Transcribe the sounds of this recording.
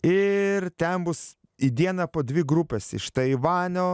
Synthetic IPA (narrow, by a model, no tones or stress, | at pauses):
ɪrt̪ʲɛnbʊs | id̪ʲiɛnɐpoːd̪ʲʋʲɪɡɾupʲɛsɪ̰ʃt̪ɐɪʋɑːnʲoː